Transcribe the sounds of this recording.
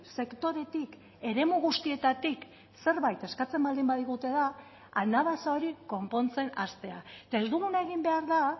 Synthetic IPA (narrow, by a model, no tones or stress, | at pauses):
se̞kt̪o̞ɾe̞t̪ik | e̞ɾe̞muɣust̪ie̞t̪at̪ik | se̞ɾβajt̪e̞skat͡se̞mbald̪imbaðiɣut̪e̞ða | anaβasao̞ɾiko̞mpo̞nt͡se̞nast̪e̞aet̪ae̞zd̪uɣunae̞ɣ̞imbe̞aɾða